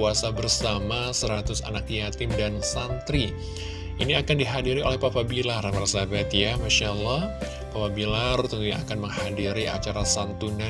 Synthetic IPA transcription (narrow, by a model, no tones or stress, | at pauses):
uasabərsamasəɾat̪ʊsa̰nakjat̪ɪmdansant̪ɾi | ʔiniakandiɦadiɾiʔolɛhpapabilarmarsabat̪jamaʃalːɑh | papabilart̪unt̪uɲaakanməŋhadiɾia̰t͡ʃaɾasant̪una